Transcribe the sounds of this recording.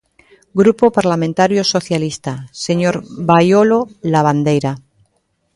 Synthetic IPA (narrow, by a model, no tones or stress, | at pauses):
ɡɾupopaɾlamẽnt̪aɾjoso̞θjalist̪ase̞ɲoɾβajololaβ̞and̪e̞jɾa